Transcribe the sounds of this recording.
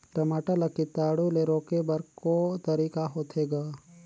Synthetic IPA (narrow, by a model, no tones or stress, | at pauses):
ʈɾɐmaːʈəlɐkːɪt̪aːɽuleɾoːkebɐɾkoːt̪ɐɾiːkaɦoːt̪ʰeːɡaː